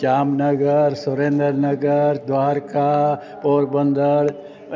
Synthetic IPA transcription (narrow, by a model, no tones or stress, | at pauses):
d͡ʒaːmnɐɡəɾsʊɾẽːnd̪əɾnɐɡəɾd̪waːɾka | poːɾbə̃nd̪əɾ